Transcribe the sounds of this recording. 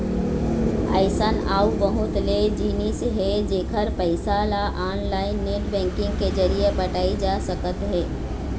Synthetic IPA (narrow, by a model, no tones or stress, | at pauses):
ə̰ɪsənaːubəɦʊt̪led͡ʒiːnisɦɛd͡ʒeːkʰəɾpəɪsalaʔaːnlaːɪnːeʈbɛ̃ːŋkɪ̃ŋɡked͡ʒəɾijepɐʈaːid͡ʒaːsəkət̪ɦɛː